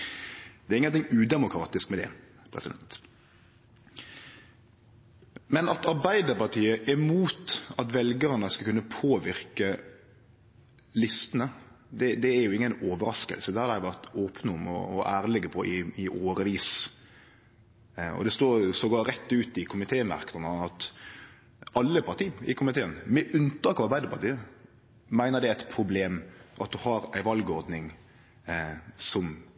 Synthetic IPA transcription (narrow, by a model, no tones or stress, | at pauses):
d̪̥ɛæɾɪŋənt̪ɪŋʉːd̪ɛmʊkʰɾɑːt̪ɪskmɛd̪ɛ̰ | pʰɾɛ̰sɪd̪ɛnt̪ | mɛnɑt̪ɑɾbæɪd̪əpɑʁt̪ʰiːəʔɛmuːt̪ɑt̪ʋɛlɡəɾnəskɑlkʉnːəpʰoːʋɪɾkə | lɪst̪ənə | d̪ɛd̪ɛæɾjʊɪŋːənoːʋəɾɑskə̰lsəd̪ɛhɑd̪æɪʋæʁt̪oːpnɔmɔ̰ɔʔæːɾlɪɡəpʰɔʔɪɪʔoːɾəʋiːs | ɔ̰d̪ɛst̪oːɾsɔɡoːɾɛt̪ːʉːt̪ɪkʰʊmɪt̪ʰeːmɑ̰ɾk̪ənəɑt̪ | ɑlːəpʰɑʁt̪ʰiːɪ̰kʰʊmɪt̪ʰeːənmɛʔʉnt̪ɑːkɑʋɑɾbæɪd̪əpɑɾt̪iːə | mæɪnəɾd̪ɛæɪt̪pʰɾʊbleːmʔɑt̪̚d̪ʉhɑɾæɪʋɑlɡɔɾd̪nɪŋ | sɔm